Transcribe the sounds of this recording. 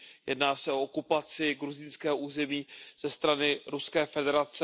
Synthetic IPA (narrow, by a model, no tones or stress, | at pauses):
jɛ̰dnaːsɛo̞okupat͡sɪɡɾuzɪnskɛːɦoʔuːzɛmiːz̥ɛst̪ɾanɪɾuskɛːfɛdɛɾat͡sɛ